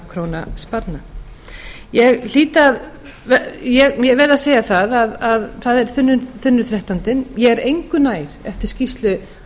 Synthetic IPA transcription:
kʰɾoːwna̰spaɾt̪na | jɛɣl̥iːt̪að | vɛjɛɣmjɛvɛːɾðaseːjaθaðaðaðθaðɛɾ̥θʏnːʏθʏnːʏθɾɛht̪ant̪ɪnjɛɣɛɾejŋkʏnaːjɾ̥ɛft̪ɪɾ̥scist̪lʏ

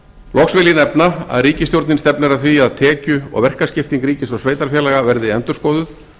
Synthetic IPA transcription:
lɔksvɪljɪnɛpnaa̰ðriːcɪst̪jowɾt̪nɪnst̪ɛpnɪɾaθviaðt̪ʰɛːcʏɔ̰ɣvɛr̥kascɪft̪iŋkɾiːcɪsɔsveːjt̪aɾfjɛːlaɣavɛɾðɪɛnt̪ʏɾ̥skoːðʏθ

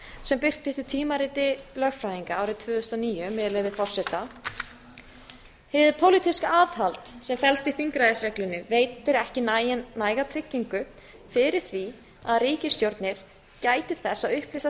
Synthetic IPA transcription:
sɛmpɪr̥t̪ɪst̪ɪ̥t̪ʰiːmaɾiːt̪ɪlœːɣfɾaːjðiŋkaaːwɾɪt̪ʰvʏːðʏʏst̪ɔniːjʏmɪːðɪlɪvɪðfɔr̥sɛt̪a | hɪvðɪpʰowlit̪ʰiskaaːðhalt̪sɛmfɛlst̪iθiŋkɾajðɪsvɛklɪnːʏveːjt̪ɪɾɛhcɪnnːaːjɣat̪ʰɾɪcːiŋkʏ | fɪɾɪɾ̥θvi | aðriːcɪst̪jowɾt̪nɪɾ̥ | caːjt̪ɪθɛsːaðʏhplisa

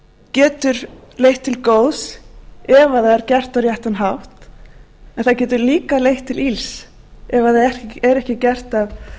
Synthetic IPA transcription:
cɛːt̪ʏɾlejht̪ʰːɪlkoːwsɛvaθaðɛɾcɛr̥t̪aɾjɛht̪anɦawht̪ | ɛnθaðcɛːt̪ʏɾliːkalejht̪ʰːɪlils | ɛvaðaɛɾɛhcɪcɛr̥t̪av

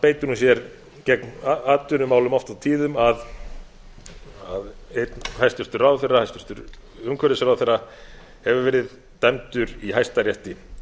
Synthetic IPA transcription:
peːjt̪ʏɾnunsjɛɾ | cɛknaaːt̪ʏnʏmaːwlʏmɔft̪aðt̪ʰiːðʏmað | aðejt̪nhajst̪ʏst̪ʏɾrawθejrːahajst̪ʏ̥ɾ̥t̪ʏɾ | ʏmkʰvɛɾɪsɾawθejrːa | hɛvʏɾvɛːɾɪð | t̪ɛmt̪ʏɾiɦajst̪aɾjɛht̪ɪ

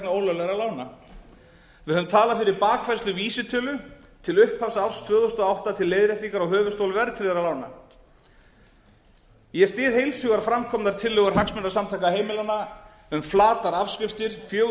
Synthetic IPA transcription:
naoːwlœlɛɣɾalaːwna | vɪðhœðʏmt̪ʰaːlafɪɾɪɾpaːkvajɾst̪lʏviːsɪt̪ʰœːlʏt̪ʰɪlʏhkpʰːḁsawst̪ʰv̥œːθowst̪ɔawht̪at̪ʰɪlːeːjðɾɛht̪iŋkaɾɔɣɦœːvʏst̪owlvɛɾt̪ʰɾɪðɛɾalawna̰ | jɛst̪ɪːðhejlsʏɣaɾfɾamkʰɔmnaɾ̥t̪ʰɪlːœːɣʏɾ̥ɦaksmʏnːasamt̪ʰajkaɦeːjmɪlana | ʏmflaːt̪aɾafscɪft̪ɪɾ̥fjœː

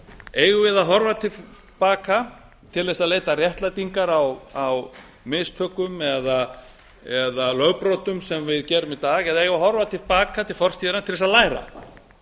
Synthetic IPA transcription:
eːjɣʏvɪðaɦɔɾvat̪ʰɪ | paːka | t̪ʰɪlðɛsaðleːjt̪arjɛht̪lajt̪iŋkaɾawaw | mɪst̪ʰœːkʏmɛða | ɛðalœːɣpɾoːt̪ʏmsɛmvɪðcɛːɾʏmit̪aːɣɛðaejɣvaɦɔɾvat̪ʰɪlpaːkat̪ʰɪlfɔr̥t̪ʰiːðɪɾnat̪ʰɪlɛsaðlaːjɾa̰

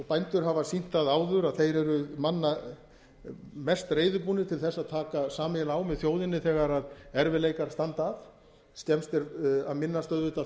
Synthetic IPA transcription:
ɔpajnt̪ʏɾɦavasin̥t̪aðaːwðʏɾaðθejɾɛɾʏmanːa | mɛst̪reːjðʏpuːnɪt̪ʰɪlθɛsːaðt̪ʰaːkasaːmɪlaːwmɛðθjoːwðɪnːɪθɛːɣaɾaðɛɾvɪleːjkaɾ̥st̪ant̪aθ | st̪ɛmst̪ɪɾaðmɪnːast̪œðvɪht̪a

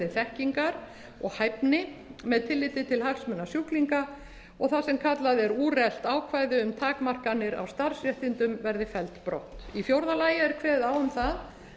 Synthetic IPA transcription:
ɪθɛhciŋkaɾ̥ | ɔɣhajpnɪmɛðt̪ʰɪlːɪt̪ɪt̪ʰɪlhaksmʏnːasjukliŋka | ɔɣθasɛmkʰat̪laðɛɾuːrɛl̥t̪aːwkʰvaːjðɪʏmt̪ʰaːkmar̥kanːɪɾa̰wst̪aɾ̥srjɛht̪ɪnt̪ʏmvɛɾðɪfɛlt̪pɾɔ̰ht̪ifjowɾðalaːjɪɛɾ̥kʰvɛːðawʏmθað

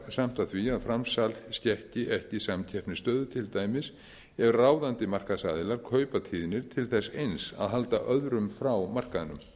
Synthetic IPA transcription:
sam̥t̪aθviaðfɾamsalscɛhcɪʔɛhcɪsamcʰɛhpnɪst̪œːðʏt̪ʰɪlt̪aːjmɪs | ɛvʏraːwðant̪ɪmar̥kaðsaːðɪlaɾ̥kʰœːɥpat̪ʰiːðɪnɪɾt̪ʰɪlθɛsːejnsa̰ðɦalt̪a̰ʔœðɾʏmfɾawmar̥kaðɪnʏm

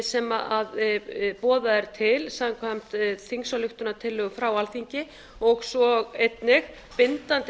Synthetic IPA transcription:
sɛmaʔaðpɔːðaɛɾt̪ʰɪlsaaŋkʰvam̥t̪θiŋsalʏxt̪ʏnat̪ʰɪlːʏɣʏfɾawalθiɲcɪ | ɔɣsɔɣejt̪nɪɣ | pɪnt̪ant̪

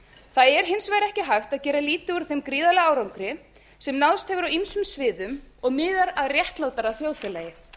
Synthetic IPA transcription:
θaðɛɾ̥ɦɪnsvaːjɾɛhcɪɦajxt̪aðcɛːɾaliːt̪ɪuɾ̥θejmkɾiːðalɛɣaːwɾawŋkɾɪ | sɛmnawðst̪hɛvʏɾawinsʏmsvɪːðʏmɔɣmɪːðaɾaðrjɛht̪laːwt̪aɾaθjoːwθɛlajɪ

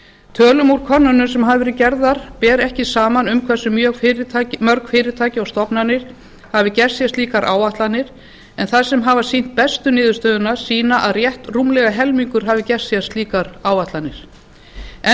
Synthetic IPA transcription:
t̪ʰœːlʏmuɾkʰɔnːʏnʏmsɛmɦavɪvɛːɾɪcɛɾðaɾ̥pɛːɾɛhcɪsaːmanʏmkʰvɛ̥sʏmjœːkɾʰmœɾkfɪːɾɪt̪ʰaːcɪawst̪ɔpnanɪɾ̥ | havɪcɛr̥sjast̪liːkaɾʔa̰ːwaht̪lanɪɾ̥ | ɛnθað̥sɛmɦavasin̥t̪̚pɛst̪ʏnɪːðʏɾst̪œːðʏnḁsiːnaʔaðrjɛht̪rumlɛɣaɦɛlmiŋkʏɾ̥ɦavɪcɛr̥sjast̪liːkaɾaːwaht̪lanɪɾ̥ | ɛ

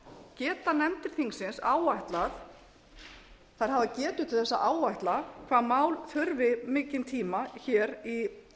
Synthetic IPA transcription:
cɛːt̪anɛmt̪ɪɾ̥θiŋksɪnsaːwajht̪laθ | θaɾ̥ɦavacɛːt̪ʏ̥t̪ʰɪlθɛsːa̰ʔaːwajht̪lakʰv̥aːðmaːwlθʏɾvɪmɪːcɪnt̪ʰiːmaçɛːɾi

